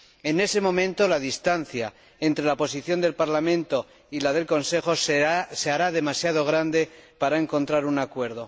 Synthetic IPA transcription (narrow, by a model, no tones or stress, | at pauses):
e̞ne̞se̞mõ̞mẽnt̪o̞laðist̪an̟θja | ent̪ɾe̞lapo̞siθjo̞nd̪e̞lpaɾlamẽ̞nt̪o̞ | ilað̞e̞lko̞nse̞xo̞seaɾaðe̞masjað̞o̞ɣ̞ɾand̪e̞paɾae̞ŋko̞nt̪ɾaɾunakwe̞ɾð̞o̞